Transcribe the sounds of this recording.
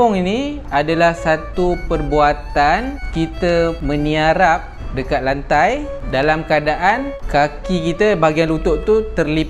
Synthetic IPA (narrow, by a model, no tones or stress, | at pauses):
ʊŋini | adalahsat̪upərbuat̪ankit̪amə̃niaɾap̚dəkat̪̚lant̪aj | dalamkəadaʔankakikit̪abaɡianlut̪ʊʔt̪ut̪ərli